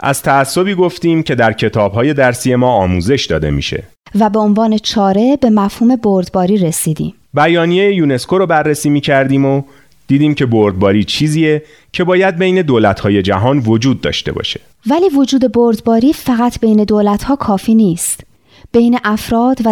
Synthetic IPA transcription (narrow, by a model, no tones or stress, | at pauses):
ʔæ̰z̥t̪ʰæːsːo̞biːɡo̞ft̪iːmcʰe̞d̪æɾcʰe̞t̪ʰɒːbɦɒːje̞d̪æɾsiːje̞mɒːɒːmuːze̞ʃd̪ɒ̰ːd̪e̞̰mḭːʃe̞̰ | væbe̞onvɒːnet͡ʃʰɒːɾe̞be̞mæfhuːme̞boɾd̪bɒːɾiːɾesiːd̪ḭːm | bæjɒːnije̞jejuːne̞skʰo̞ɾɔːbærːesiːmiːcʰæɾd̪iːmo | d̪̥iːd̪iːmcʰe̞boɾd̪̚bɒːɾiːt͡ʃʰiːziːe | cʰe̞bɒːjæd̪̚bejne̞d̪oːlæt̪hɒːje̞d͡ʒæɦɒːnvo̞d͡ʒuːd̪̚ːɒ̰ːʃt̪e̞̰bɒ̰ʃe̥ | væliːvo̞d͡ʒuːd̪e̞boɾd̪bɒːɾiːfæɣæt̪ʰb̥e̞jne̞d̪oːlæt̪ʰhɒːkʰɒːfiːniːst̪ | b̥e̞jneʔæfɾɒːd̪væ